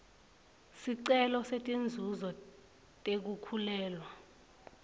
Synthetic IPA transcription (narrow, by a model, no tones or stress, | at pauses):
siǀɛlɔsetʼend͡zʱuzɔ | tʼek̬ukʰulɛːlwa